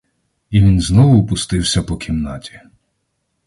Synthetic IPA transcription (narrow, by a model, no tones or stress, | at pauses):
iʋʲinznɔʋʊːpʊst̪ɪwsʲɐpɔkʲimnɑtʲi̥